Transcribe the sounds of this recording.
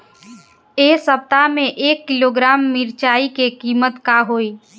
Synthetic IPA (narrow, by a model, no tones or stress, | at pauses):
eːsəp̚t̪amẽʔeːkːɪloːɡɾaːmːiɾt͡ʃaːikekiːmət̪kaɦoːiː